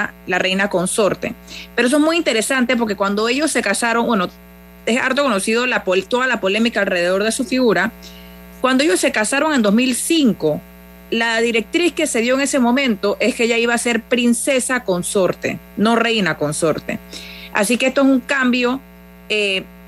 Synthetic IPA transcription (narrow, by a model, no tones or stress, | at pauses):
alare̞jnako̞nso̞ɾt̪e̞̰peɾoes̬oe̞zmujint̪e̞ɾe̞sant̪e̞p̬o̞ɾke̞kwand̪o̞e̞ʝo̞sːe̞kasaɾo̞ŋbweno | esa̰ɾt̪o̞ko̞no̞siðo̞lapot̪o̞ðalapo̞le̞mikaːlre̞ð̞e̞ð̞o̞ɾðe̞sufiɣuɾa | kwand̪oeo̞sːe̞kasaɾo̞ŋe̞nd̪o̞zmilsiŋko̞ | laðiɾe̞k̚t̪ɾiske̞se̞ðjo̞eŋe̞se̞mõ̞mẽ̞nt̪o̞ʔe̞skeeʝaiβaːse̞ɾpɾinse̞sako̞nso̞ɾt̪e̞̰no̞re̞jnako̞nso̞ɾt̪e̞̰a̰sikeest̪oes̬uŋkambjo̞ | e